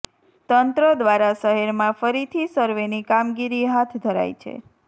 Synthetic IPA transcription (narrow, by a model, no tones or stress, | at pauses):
t̪ənt̪ɾəd̪ʋaɾasəɦeɾmãfəɾit̪ʰisəɾʋenikamɡiɾiɦat̪ʰd̪ʱəɾa̰jt͡ʃʰḛ